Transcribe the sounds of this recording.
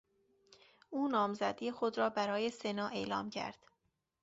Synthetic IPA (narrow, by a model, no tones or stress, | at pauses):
ʔuːnɒːmzæd̪iːexod̪ɾɒːbæɾɒːje̞se̞nɒːʔe̞ːlɒ̰ːmcʰæ̰ɾd̪̥